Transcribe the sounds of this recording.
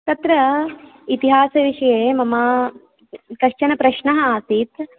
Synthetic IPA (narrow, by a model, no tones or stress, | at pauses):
t̪ɐt̪ɾɐ | it̪iɦaːsɐʋiʃɐjeːmɐmaː | kɐʃt͡ʃɐnɐpɾɐʃɳɐɦɐaːsit̪